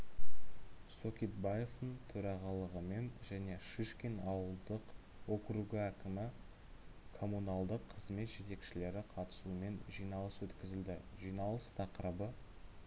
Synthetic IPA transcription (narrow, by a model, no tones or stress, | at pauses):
sokʲit̪̚baje̞ft̪əɴt̪ʰɵɾɑʁɑlˠəʁəme̞nʒæne̞ʃiʃkʲenɑwəlˠd̪əq | wo̞kɾuɡʲɪækʲɪmɪ | kʰo̞munɑlˠd̪əqʰːəzme̞t̪ʒe̞t̪e̞kʃɪle̞ɾɪqʰɑt̪ə̥sume̞nʒijnɑlˠəswɵt̪kʲɪzɪld̪ɪʒijnɑlˠəst̪ʰɑqəɾəbə